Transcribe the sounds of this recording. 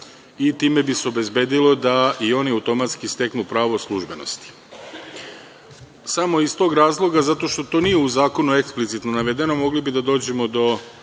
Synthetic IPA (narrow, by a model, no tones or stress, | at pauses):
it̪iːme̞biseo̞be̞zbe̞ːd̪ilo̞d̪aio̞niawt̪o̞mat̪skist̪e̞knupɾaːʋo̞slˠuʒbe̞no̞̰st̪i̥ | samo̞ist̪o̞ːɡɾaːzlˠo̞ɡazat̪o̞ʃt̪o̞t̪o̞ːnije̞uzaːko̞nue̞ksplit̪sit̪no̞naʋe̞d̪e̞no̞mo̞ɡlibid̪ad̪oːd͡ʑe̞mo̞d̪o̞